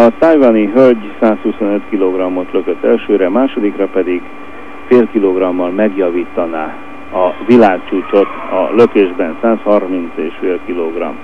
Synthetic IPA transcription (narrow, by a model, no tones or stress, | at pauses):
ɒt̪ɒjvaniɦølɟsaːshuso̞nøt̪kiloɡrɒmːo̞t̪løkøt̪ːɛlʃøːɾɛmaːʃo̞d̪ikrɒpɛd̪iɡ | feːlkiloɡrɒmːɒlmɛɡjɒviːt̪ːɒnaː | ɒvilaːkt͡ʃuːt͡ʃo̞t̪ | ɒ̰løkeːʒbɛnsaːshɒrmint̪seːʃfeːlkiloɡrɒ̰m